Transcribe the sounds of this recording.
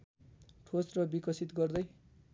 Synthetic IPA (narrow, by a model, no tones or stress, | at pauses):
ʈʰosrʌbikʌsit̪ɡʌrd̪ʌj